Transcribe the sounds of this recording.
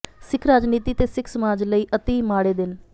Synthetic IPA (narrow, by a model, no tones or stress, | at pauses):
sɪkʰɾaːd͡ʒniːt̪iːt̪eːsɪkʰsəmaːd͡ʒləiːʔət̪eːmaːɽeːd̪ɪn